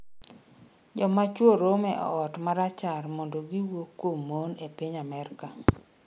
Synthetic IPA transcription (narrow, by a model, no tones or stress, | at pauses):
d͡ʒɔmat͡ʃwoɾomɛʔɔ̰ːtmaɾat͡ʃarmɔndoɡiwokwomːonepiɲamɛrka